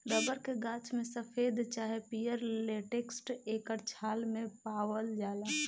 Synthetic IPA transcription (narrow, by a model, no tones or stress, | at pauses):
d̪əbəɾkeɡaːt͡ʃmẽsəpʰeːd̪t͡ʃaːɦepijəɾleːʈeːksʈeːkəɾt͡ʃʰaːlmẽpaːwəld͡ʒaːlaː